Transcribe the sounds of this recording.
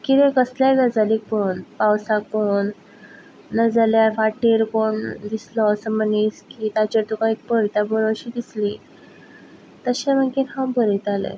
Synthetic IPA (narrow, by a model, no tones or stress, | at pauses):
kit̪ẽkəslaɡəd͡zalik̚pəuːnpawsak̚pounː | əd͡zaljafaʈiɾkoɳd̪islɔːsəməniːskiːt̪at͡ɕaɾt̪ukãik̚pəɾit̪abəɾoɕid̪isli | t̪əɕẽm̤əkenɦãwbəɾit̪alḛ